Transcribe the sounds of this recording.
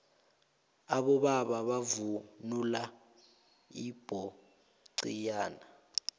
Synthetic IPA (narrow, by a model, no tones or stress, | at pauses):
aɓɔɓaɓaɓavunula | ib̥ʱɔ | ǀijaːna